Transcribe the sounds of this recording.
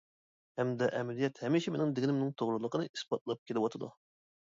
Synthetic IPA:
hɛmd̪ɛʔɛmɛlijɛt̪hɛmiʃimenɪŋd̪ɪɡʲinɪmnɪŋt̪ʰoʁɾɨlˠəqʰənɨʔispɑt̪̚lˠɑp̚kʲʰelɨwɑt̪ʰɨd̪ṵ

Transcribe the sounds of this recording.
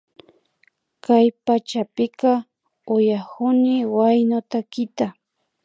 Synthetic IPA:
kajpat͡ʃapɪkɑ | ʊjahʊnɪwajnot̪akɪt̪a

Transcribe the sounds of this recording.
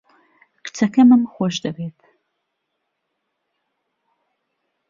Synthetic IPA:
kt͡sʰɐkʰɐmɨmχʷɔʒdɐreːtʰ

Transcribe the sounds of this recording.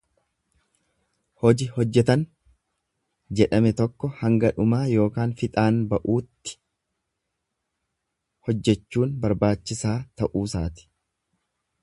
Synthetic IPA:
hɔd͡ʒɪhɔd͡ʒːɛt̪ɐn | d͡ʒɛᶑɐmɛt̪ɔkːɔhɐŋɡɐᶑʊmaːjo̞ːkaːnfɪt̪ʼaːnbɐʔuːt̪ːɪ̥ | hɔd͡ʒːɛt͡ʃːuːnbɐɾbaːt͡ʃːɪsaːt̪ɐʔuːsaːt̪ɪ̥

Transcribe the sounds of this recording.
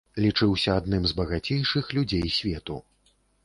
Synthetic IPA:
lʲit͡ʂɨwsʲɐad̪nɨmzbɐɣat͡sʲejʂɨxlʲud͡zʲejsʲvʲɛt̪ṵ

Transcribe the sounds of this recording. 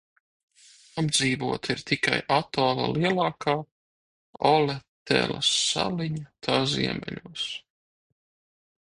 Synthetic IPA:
abd̪ziːvuɔt̪iɾt̪ika̰jat̪ɔːlˠa̰lˠiɛlˠɑːkʰaː | ɔlet̪ɛ̰la̰sa̰liɲat̪ʰaːzḭɛmɛ̰ʎʲuɔs

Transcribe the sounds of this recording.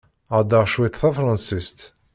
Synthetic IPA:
ad̪ɑʁʃwit̪θɑfɾˤɑ̃nsist̪

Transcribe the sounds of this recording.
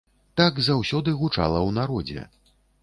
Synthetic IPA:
t̪aɡzawsʲɔd̪ɨɣut͡ʂa̰lˠɐwnaɾɔd͡zʲɛ̰

